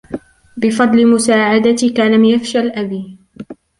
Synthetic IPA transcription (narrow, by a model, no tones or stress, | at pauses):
bɪfɑd̪ˤlɪmʊsaːʕad̪at̪ikalamjafʃalʔabiː